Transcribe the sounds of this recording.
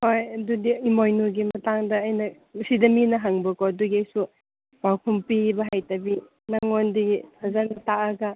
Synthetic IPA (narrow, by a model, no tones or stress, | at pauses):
hojɐdudiimojnuɡimɐtaŋdɐːjnɐ | sidɐminɐɦaŋbɐkoduɡiɐjsu | bawkʰumpibɐɦajtɐbi | naŋondihʰɐzanɐtaʔɐɡɐ